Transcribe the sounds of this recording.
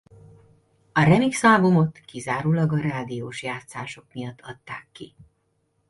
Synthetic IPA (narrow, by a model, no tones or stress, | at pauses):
ɒɾɛmiksɒlbumo̞t̪kizaːɾuːlɒɡɒɾaːd̪ijoːʃjaːt̪saːʃo̞kmijɒt̪ːɒt̪ːaːkːḭ